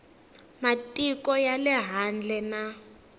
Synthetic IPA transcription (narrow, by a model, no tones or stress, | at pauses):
matʼikɔjalɛɦand͡ɮʱɛna